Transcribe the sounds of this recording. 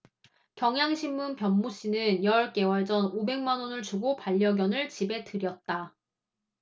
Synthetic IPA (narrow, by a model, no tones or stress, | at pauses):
kjʌŋɦjaŋɕʰimːunpjʌmːuɕ͈inɯnjʌɭk͈e̞wʌɭd͡ʑʌnobe̞ŋmanonɯɭt͡ɕuɡopaʎːʌɡjʌnɯɭt͡ɕibe̞tɯɾjʌt̚t͈a